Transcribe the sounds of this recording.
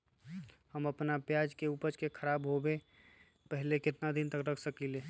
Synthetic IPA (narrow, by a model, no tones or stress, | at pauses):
həməpnapjad͡ʒkeupət͡ʃkekʰəɾabɦobe | pəɦlekɪt̪nad̪int̪əkɾəkʰsəkile